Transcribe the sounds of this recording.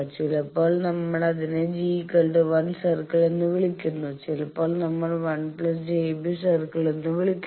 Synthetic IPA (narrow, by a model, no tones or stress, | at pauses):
t͡ʃɪlɐpoːlnɐmːɐɭɐðɪneːd͡ʒikɐlɖɯʋɐnsɐɾkɐɭend̪ɯʋɪɭɪkʲːɯnːũsɪlɐpːoːlnɐmːɐɭʋɐnplɐs̬d͡ʒeːbisɐɾkɐɭɛnd̪ɯʋɪɭɪkʲː